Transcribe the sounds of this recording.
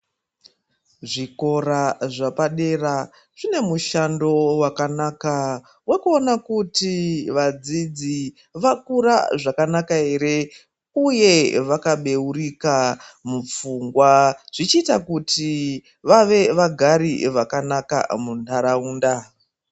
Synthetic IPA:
ʐiko̞ɾaʐapaɗe̞ra | ʐ̥ine̞muʃando̞wakanaːka | we̞kuo̞nakutiʋad͡zid͡zi | ʋakuɾa̰ʐakanakaɦe̞ɾe̞ | uje̞ʋakaɓe̞urikamup͡fuŋɡwaʐ̥it͡ʃiːtakuti | ʋaʋe̞ʋaɡʱaɾiʋakanaka̰muntaɾauːnda

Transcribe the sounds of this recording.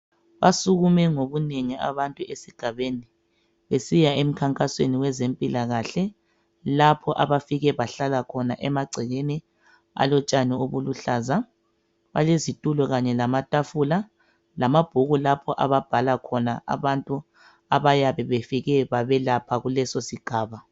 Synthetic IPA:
βasuɣumɛŋoβuneŋia̰βantʼuesiɡ̥ʱaβeni | βesijaem̩kʰaŋkʼasweniwɛzempʼilaɣaɬɛ | lapʰɔʔaβafiɣɛβaɬalakʰɔnaʔɛmaɡ͡ǀʱiɣeni | a̰lɔt͡ʃʼanioβuluɬaːza | βa̰lezitʼulɔɣaɲɛlamatʼafuːla | lamab̥ʱuɣulapʰɔʔaβab̥ʱalakʰɔnaa̰βantʼu | aβajaβɛβefiɣɛβaβɛlapʰaɣulɛsosiɡ̥ʱaːβa

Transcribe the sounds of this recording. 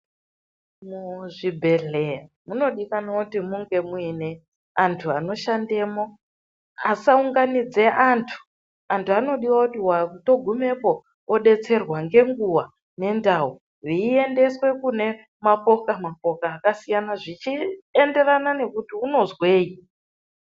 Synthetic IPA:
muʐibʱe̞ɮea | muno̞ɗikanotimuŋɡe̞muine̞ | antʰuano̞ʃande̞ːmo̞ | asauŋɡanid͡ze̞ʔantʰu̥ | antuano̞ɗiwakutiwato̞ɡʱume̞po̞ː | ɗe̞t͡se̞rwaŋɡe̞ŋɡuwa | ne̞ndau | riːe̞nde̞swe̞kune̞ | mapo̞kamap̚o̞kaːkasijanaʐit͡ʃiende̞ranane̞kutiuno̞zwe̞ːi

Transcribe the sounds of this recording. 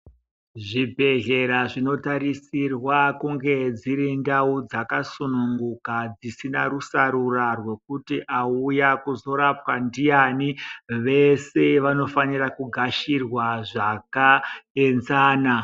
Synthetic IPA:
ʐibʱe̞ɦe̞ɾaʐino̞taɾisirwakuŋɡe̞d͡ziɾindaud͡zakasunuŋɡukad͡zisinaɾusaɾurarwe̞k̚utiʔaujakuzo̞ɾapwandijaniʋe̞se̞ʋano̞fanirakuɡʱaʃirwaʐakae̞nzaːna

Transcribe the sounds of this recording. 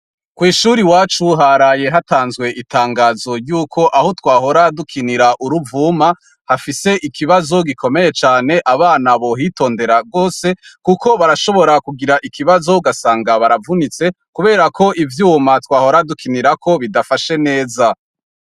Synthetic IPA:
kwiːʃuɾiwaːt͡ʃuɦaɾaje̞ɦataːnzɡwe̞ʔitaːŋɡaːzo̞juːkʰo̞ʔaho̞twaːɦo̞ɾadukʰiniɾaʔuɾuvuːma | hafise̞ʔikʰiβazo̞ɡikʰo̞me̞je̞t͡ʃaːne̞ʔaβaːnaβo̞ɦito̞ːnde̞ɾaɡo̞ːse̞kukʰo̞βaɾaʃo̞βo̞ɾakuɡiɾaʔikiβazo̞uɡasaːŋɡaβaɾavunit͡se̞ | kuβe̞ːɾakʰo̞ʔivjuːmatwaːho̞ɾadukʰiniɾakʰo̞βidafaʃe̞ne̞ːza

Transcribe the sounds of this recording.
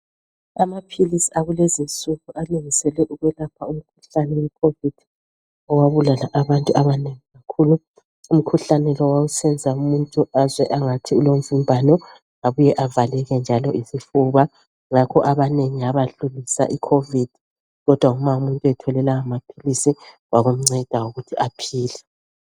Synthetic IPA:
amapʰilisiaɣulezint͡sʼuɣuʔaluŋisɛlɛʔuɣwɛlapʰaum̩kʰu̥ɬanɛwɛkʰovid̥i | ɔwaβulalaʔaβantʼuaβaneŋiɣakʰuːlu | um̩kʰuɬanɛlɔwawusɛnd͡zʱaumuntʼuazwɛʔaŋatʰiulom̩vumbʱanɔ | aβujɛʔavalɛɣɛnd͡ʒʱalɔisifuβa | ŋakʰɔʔaβaneŋiaβaɬulisa̰ʔikʰovid̥ʱi | ɣɔd̥ʱwaumaumuntʼuɛtʰɔlɛlaamapʰilisi | waɣum̩ŋ͡ǀɛd̥ʱawoɣutʰiʔapʰiːlɛ

